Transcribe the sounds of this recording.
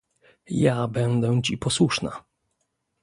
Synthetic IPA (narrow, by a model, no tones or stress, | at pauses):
jabɛnd̪ɛw̃t͡ɕipɔswuʂna̰